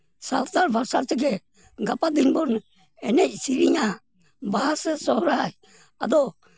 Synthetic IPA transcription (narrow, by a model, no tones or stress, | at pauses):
salt̪aɾbʱaɾsaɾt͡ʃɛɡɛ | ɡapad̪inbɔn | ɛnɛc̚siɾiɲa | baɦasɛsɔhɔɾaaj | a̰d̪ɔ